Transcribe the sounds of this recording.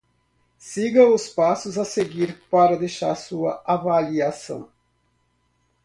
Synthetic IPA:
siɡɐʊspasʊzɐseɡiɾpaɾɐd̪ejʃaɾsuɐavaliasɐ̰̃w̃

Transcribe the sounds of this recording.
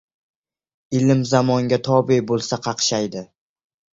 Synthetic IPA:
ɪlɪmzamɒŋɡʲat̪ʰɒbibolˠsaqʰɑqʃajd̪ɪ

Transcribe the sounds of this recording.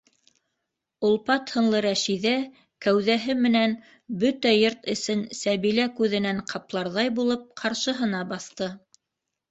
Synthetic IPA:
ŏlˠpɑt̪hɤ̆nlˠɤɾæʃiðæ | kæwðæɦɘmɘ̆næn | bɵt̪æjoɾt̪ɘ̆sɘnsæβilækʉðɘ̆næɴqʰɑplˠɑɾðɑjbulˠɤp̚qʰɑɾʃɤ̆ɦɤ̆nɑbɑθt̪ɤ

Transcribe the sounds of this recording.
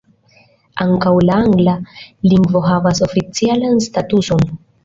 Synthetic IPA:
aŋkawlaaŋɡlaliŋɡvo̞ɦavaso̞fit͡sialanstatuso̞n

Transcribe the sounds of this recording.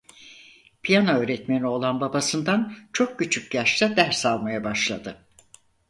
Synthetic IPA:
pʰijanoøːɾɛt̪menio̞lˠanbabasɯnd̪ant͡ʃʰo̞k̚cyt͡ʃʰycʲjaʃt̪ad̪æɾsalˠmajabaʃlˠad̪ɯ

